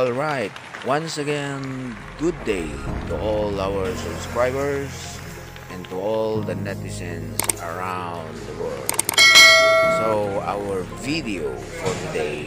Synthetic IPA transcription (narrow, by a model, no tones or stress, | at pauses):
ɔlˠɹaɪt̪̚wʌ̃nsɐɡɛ̃n | ɡʊd̪eɪt̪uʔɔlawəɹsʊbskɹaɪbəɹs | ʔɛ̃nt̪uɔld̪ənɛt̪ɪsɛ̃nsəɹãw̃nd̪d̪əwɔ̰ɹd̪̚ | soa̰wəɹvid̪io | fɔɹt̪ɨd̪eɪ